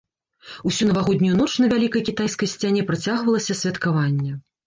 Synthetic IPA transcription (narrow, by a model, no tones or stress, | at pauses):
usʲunɐvaɣɔd̪ʲnʲujunɔt͡ʂnɐvʲalʲikɐjkʲit̪ajskɐjsʲt͡sʲanʲɛpɾat͡sʲaɣvɐlˠɐsʲɐsʲvʲɐt̪kavanʲːɛ